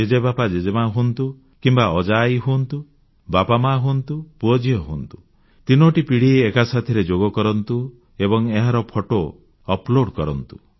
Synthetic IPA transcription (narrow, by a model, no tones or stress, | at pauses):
d͡ʒed͡ʒebapad͡ʒed͡ʒemaɦunt̪u | kimbaɔd͡ʒajɦunt̪u | bapamaɦunt̪upuɔd͡ʒiɔɦunt̪u̥ | t̪inɔʈipiɽ̤ieːkasat̪ʰiɾed͡ʒoɡɔkɔɾɔnt̪u | ebɔŋeɦaɾɔpʰɔʈo | ɔploɽkɔɾɔnt̪u̥